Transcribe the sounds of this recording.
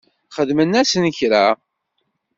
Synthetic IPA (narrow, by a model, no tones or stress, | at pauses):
χəðmənːæsənçɾa